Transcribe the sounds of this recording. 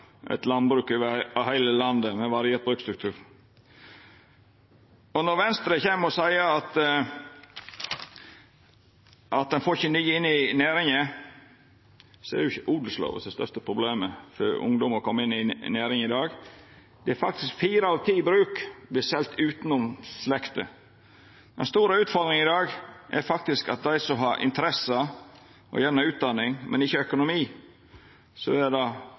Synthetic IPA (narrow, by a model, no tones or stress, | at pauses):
ʔɛ̰t̪lɑnbɾʉːkøʋɑhæɪləlɑnd̪əmɛʋɑɾɪeːt̪̚bɾʉːkst̪ɾʉk̚t̪ʰʉːɾ | ɔnɔɾʋɛnst̪ɾəçeːməɾɔsæɪəɑt̪ | ʔɑt̪̚d̪ɛnfoːçənyːəɪnːɪnæːɾɪŋə | sɔæ̰ɾjʊɪçəʔuːd̪əl̩slo̰ːʋə̰sd̪ɛst̪œ̰ʂt̪əpʰɾʊbleːməfœɾʊ̰ŋd̪ʊməɾkʰɔmːɪnːɪnæːɾɪŋɪd̪ɑːɡ | d̪̥ɛæɾfɑk̚t̪ɪskfiːɾəɑʋt̪ʰiːbɾʉːkblɪsɛlt̪ʉːt̪nʊmslɛkt̪ə̰ | d̪̥ɛ̰nst̪uːɾəʉːt̪fɔɾd̪ɾɪŋɪd̪ɑːɡʔɛɾfɑk̚t̪ɪskɑt̪̚d̪æɪsɔɦɑɾʔɪ̰nt̪əɾɛsɑ | ʔɔ̰jæːnəɾʉːt̪̚d̪ɑnːɪŋmʔɛ̰nɪçːəœkʊnʊmiː | sɔ̰ɛɾd̪ɑ